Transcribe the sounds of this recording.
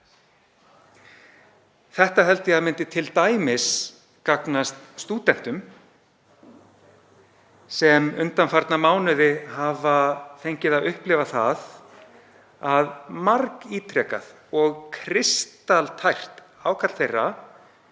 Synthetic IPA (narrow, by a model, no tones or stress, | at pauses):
θɛht̪aɦɛlt̪ɪaðmɪnt̪ɪt̪ʰɪlt̪aːjmɪs | kaknast̪st̪uːt̪ɛn̥t̪ʏm | sɛmʏnt̪anfaɾt̪namaːwnʏðɪhavaθejɲcɪðaðʏhplɪvaθa̰ð | aðmaɾkiːt̪ʰɾɛːka̰ð | ɔɣkʰɾɪst̪alt̪ʰajr̥t̪ | aːwkʰat̪l̥θejrːa